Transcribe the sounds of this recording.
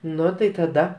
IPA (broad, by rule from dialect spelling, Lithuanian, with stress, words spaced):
ˈnʊ tɐɪ tɐˈdɐ